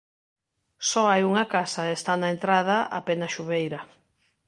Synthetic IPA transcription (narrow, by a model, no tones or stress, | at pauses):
sɔajuŋɐkasaest̪anɐent̪ɾað̞ɐʔa̰penɐʃuβejɾɐ